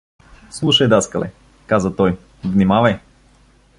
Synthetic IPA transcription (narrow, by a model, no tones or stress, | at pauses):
slˠuʃəjd̪askɐlɛ̰ | kazət̪ɔj | vnimavəj